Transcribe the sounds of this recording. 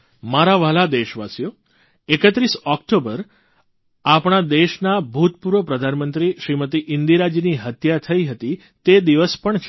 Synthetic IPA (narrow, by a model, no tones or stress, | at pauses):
maɾaʋalad̪eʃʋasjo | ekət̪ɾisɔkʈobəɾ | apɳ̃ad̪eʃnabʱut̪puɾʋəpɾəd̪ʱanmənt̪ɾiʃɾimət̪iʔɪnd̪iɾad͡ʒiniɦət̪jat̪ʰəiɦət̪i | t̪ed̪iʋəspəɳt͡ʃʰe̥